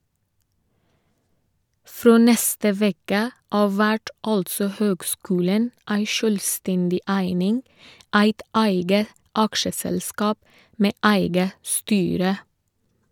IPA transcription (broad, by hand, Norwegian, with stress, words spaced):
ˈfɾoː ˈnɛstə ˈʋɛkə ˈɑːʋ ˈʋæʈ ˈɑltsɔ ˈhøːɡˌskʉːlən ˈæɪ ˈʃøːlˌstɛndɪ ˈæɪnɪŋ ˈæɪt ˈæɪɡə ˈɑkʃəsɛlˌskɑːp ˈmeː ˈæɪɡə ˈstyːɾə